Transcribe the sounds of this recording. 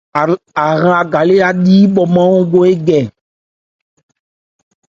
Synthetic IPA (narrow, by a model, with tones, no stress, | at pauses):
a˨ɣã˨a˨ɡa˨le˦a˦ɖi˦bɔ˨mã˦wo˦ɡo˦e˦ɡɛ˨